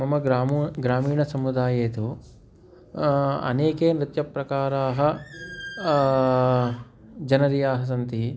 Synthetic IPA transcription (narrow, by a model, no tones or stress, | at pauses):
mɐmɐɡɾaːmɡɾaːmiːɳɐsɐmud̪aːjeːt̪oː | ɐ̰neːkeːnɾɪt̪jɐpɾɐkaːɾaːɦɐ̆ | d͡ʒɐnɐɾijaːɦɐs̬ɐnt̪i